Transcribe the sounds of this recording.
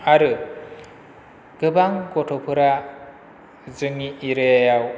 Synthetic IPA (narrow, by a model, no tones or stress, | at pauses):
aɾɯ | ɡ̥ɯbaŋɡɔtʰɔpʰɯɾa | zɯŋiiɾɯjajaw